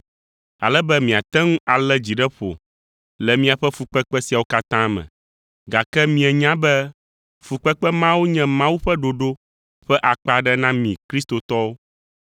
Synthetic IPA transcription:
a̰˨lɛ˦bɛ˦mĩ˨a˨t̪ɛ˦ŋũ˦ʔa˨lɛ˦d͡ʑi˨ɖɛ˦ɸo̰˨ | lɛ˨mĩ˦a˨ɸɛ˦fu˨k͡pɛ˦k͡pɛ˦si˨a˨wo˦ka˦t̪ã˦mɛ̰̃˨ | ɡa˨kɛ˦mĩ˨˦ɛ˨ɲã˦bɛ˦ | fu˨k͡pɛ˦k͡pɛ˦mã˦wo˦ɲɛ̃˦mã˦wu˦ɸɛ˦ɖo˨ɖo˦ | ɸɛ˦ʔa˨k͡pa˨ɖɛ˦nã˦mĩ˨kɾi˦st̪o˨t̪ɔ˦wo˦

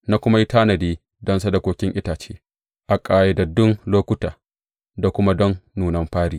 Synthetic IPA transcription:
na˦kʷʊ˦ma˦ji˦taː˦nɐ˨diː˦ | dɐ˦nsa˦da˨kʷoː˦kʲɪ˦ŋʔɪ˦taː˨t͡ʃeː˦ | ʔa˨kʼaː˨je˦da˨dʊ˦ŋloː˦kʷʊ˦taː˨ | da˨kʷʊ˦ma˦dɔ˦nːuː˨nɐ˦mɸaː˦ɽiː˨

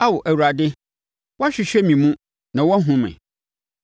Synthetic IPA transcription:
a˦wɔ˨ʔæ˨wu˨ɾa˨dɪ˦ | wɔ˦a˦ɕᶣɪ˨ɕᶣɛ˦mĩ˨mũ˦ | nã˨wɔ˦ɦʊ̃˦mɛ̰̃˨

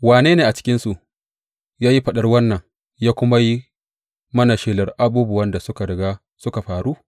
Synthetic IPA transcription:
waː˨neː˦neː˨ʔa˨t͡ʃɪ̥˦kʲɪ˦nsu˨ʔ | jaː˦ji˦ɸɐ˨ɗɐ˦rwɐ˦nːɐ˨ŋ | jaː˦kʷʊ˦ma˦ji˦ | mɐ˦na˨ʃeː˨lɐ˨rʔa˦buː˦bʊ˨wɐ˦nda˨sʊ˦ka˨ɽɐ˨ɡaː˦ | sʊ˦ka˨ɸaː˨ɾu˦

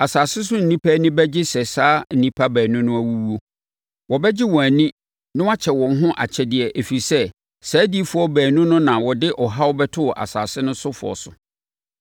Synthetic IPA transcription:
a˨saː˨sɪ˦s̬ʊ˦n̩˨nĩ˦pʰæ˦nɪ̃˦bɛ˦d͡ʑɪ˦sɛ˨saː˦n̩˨nĩ˦pʰa˦bæː˨nʊ̃˦nʊ̃˦æ˦wu˦wu˦o˦ | wɔ˨bɛ˦d͡ʑɪ˦wɔ̃˨æ˨nĩ˦ | nɪ̃˦wa˦t͡ɕʰɛ˨wɔ̃˨ŋ˦ɦʊ̃˦ʔa̰˨t͡ɕʰɛ˨dɪ˨ɛ˨ʔe˨fi˨sɛ˦ | sæː˨˦di˦fʊ˨ɔ˦bæː˨nʊ̃˦nʊ̃˦nã˨wɔ˨dɪ˦ʔɔ˨ɦa˦wɔ˦bɛ˦tʰʊ˦wɔ˨ʔa̰˨sa̰ː˨sɪ˦nʊ̃˦sʊ˦fʊ̰˨ɔ̰˨sʊ˨

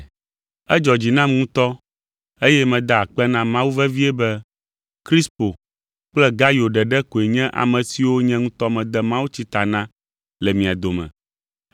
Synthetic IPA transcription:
ɛ˦d͡ʒɔ˨d͡ʑi˨nã˦mŋũ˦t̪ɔ˦ | e˦jɛ˦mɛ̃˨d̪a˨a˨k͡pɛ˦nã˦mã˦wu˦vɛ˦vi˦ɛ˦bɛ˦ | kɾi˦spo˨ | k͡plɛ˦ɡa˦jo˨ɖɛ˨ɖɛ˦ko˨e˨ɲɛ̃˦ʔa̰˨mɛ̃˨si˨wo˦ɲɛ̃˦ŋũ˦t̪ɔ˦mɛ̃˨d̪ɛ˦mã˦wu˦t͡ɕi˦t̪a˨nã˦ | lɛ˨mĩ˨a˨d̪o˨mɛ̰̃˨

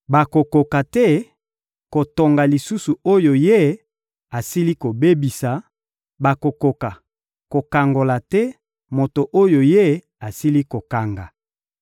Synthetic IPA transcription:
ba˨ko˨ko˨ka˨tɛ˦ | ko˨to˨ŋɡa˨li˨su˦su˨o˦jo˨je˦ | a˨si˦li˦ko˨be˦bi˨sa˨ | ba˨ko˨ko˨ka˨ | ko˨ka˨ŋɡo˨la˨tɛ˦ | mo˨to˨ʔo˦jo˨je˦ | a˨si˦li˦ko˨ka˨ŋɡa˨

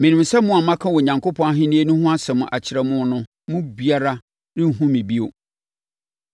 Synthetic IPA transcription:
mɪ̃˨nɪ̃˨msɛ˦mʊ̃˦a˨mã˦kʰã˦wɔ˨ɲã˨ŋkʰo˦pʰɔ̃˦a˦ɦɪ̃˦nĩ˦e˦nʊ̃˦hʊ̃˦a˦sɛ˨mʊ̃˨ʔa˨t͡ɕʰɪ˨˦ɾɛ˦mʊ̃˦nʊ̃˦ | mʊ̃˦bi˨a˦ɾa˦ | nɪ̃˦˨ɦũ˦mĩ˨bi˦o˦

